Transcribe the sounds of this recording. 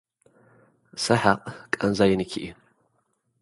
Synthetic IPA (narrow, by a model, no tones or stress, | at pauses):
sɐħaqʼkʼɐnzajɪnɨkʲʰiʔi